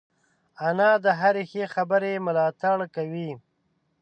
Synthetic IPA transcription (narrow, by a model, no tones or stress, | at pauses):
anɑd̪əɦaɾexexabəɾemʊlɑt̪aɽkawi